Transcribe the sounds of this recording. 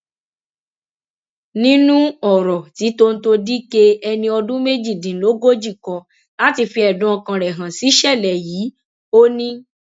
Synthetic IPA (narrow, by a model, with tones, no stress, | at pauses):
nĩ˦nũ˦ɔ˨ɾɔ˨ti˨˦to˦n̩˦to˧di˦ke˦ɛ˧nĩ˧ɔ˧dũ˦me˦d͡ʒi˦˨dĩ˨lo˨˦ɡo˦d͡ʒi˦˨kɔ̃˧ | la˦ti˧fi˧ɛ˨dũ˨˦ɔ˧kã˧ɾɛ˨ɦã˨si˨˦ʃɛ˦˨lɛ˨jiː˨˦ | o˦nĩ˦